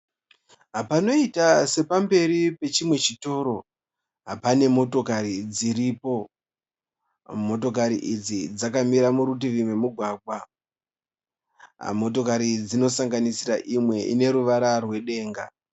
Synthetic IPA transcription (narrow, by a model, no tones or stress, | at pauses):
ɦapano̞itase̞pambe̞ɾipe̞t͡ʃimwe̞t͡ʃito̞ːɾo̞ | ɦapane̞mo̞to̞kaɾid͡ziɾiːpo̞ | mo̞to̞kaɾiʔid͡zid͡zakamiɾamuɾut̬iʋimwe̞muɡʱwaːɡʱwa | mo̞to̞kaɾid͡zino̞saŋɡanisiraʔimwe̞ʔḭne̞ɾuʋaɾarwe̞ɗe̞ːŋɡa